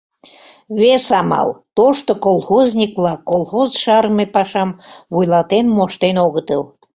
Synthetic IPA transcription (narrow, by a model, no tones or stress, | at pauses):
βesɑmɑ̰lt̪oʃt̪okolˠxozʲnʲikβlɑkolxozʃɑɾmepɑʃɑmβujlɑt̪enmoʃt̪enoɣət̪əl